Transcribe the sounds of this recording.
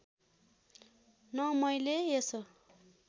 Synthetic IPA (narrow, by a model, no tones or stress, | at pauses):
nʌmʌjleeso